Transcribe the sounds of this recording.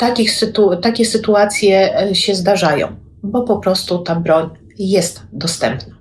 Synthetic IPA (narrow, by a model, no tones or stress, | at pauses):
t̪akʲixsɘt̪ut̪akʲɛsɘt̪uat̪sʲjɛɕɛzd̪aʐajɔ̰̃w̃ | bɔpɔpɾɔst̪ut̪abɾɔɲ | jɛst̪d̪ɔst̪ɛmpna